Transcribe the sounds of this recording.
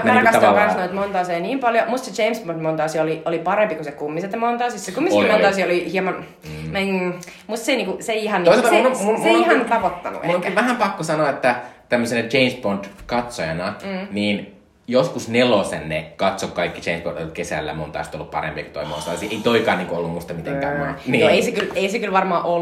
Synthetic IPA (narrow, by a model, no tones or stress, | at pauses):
ɑlkɑsɑɑkɑnsnoit̪mont̪ɑːseiniːmpɑljomust̪set͡ʃeimsbondmont̪ɑˑɑsiɑoliolipɑɾempikusekumːiset̪jmont̪ɑːsissekumːielmont̪ɑsiɑolihiemɑn | mæ | must̪seiniŋkuseiihɑnːioiseɑnuneiihɑnt̪ɑpot̪ːɑ̰nṵḛŋkæʋæhæmpɑkːosɑnoːet̪ːæt̪æmːøsinɑt͡ʃeinsbont̪kɑt̪sojɑnɑːniːn | joskusnelosḛnːḛkɑt̪sokkɑikːi̥t͡ʃeinsbo̰nt̪t̪kesæ̰lːæ̰mont̪ɑ̰ˑst̪olːuppɑ̰ɾḛmpiɑku̥t̪o̰imo̰nst̪ɑ̰ːˑsiʔeit̪oikɑːniːŋkuolːummust̪ɑmit̪eŋkæ̰ːmonnioeisekyleisekylʋɑrmɑːʔo